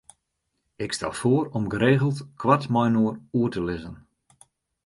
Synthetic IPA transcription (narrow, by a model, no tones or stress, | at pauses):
ɪkstɛ̰lˠfoəɾɔmɡəɾeːɣəlˠtkʰwatmɔjnoəruətəlɪzən